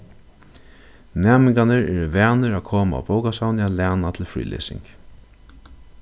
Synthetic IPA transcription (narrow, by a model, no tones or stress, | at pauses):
nɛːmɪŋkanɪɾɛɾvæːnɪɾakʰoːmaa̰bowkasawnɪalæːnat̪ʰɪlfɾḭːlʔḛːsɪ̰ŋk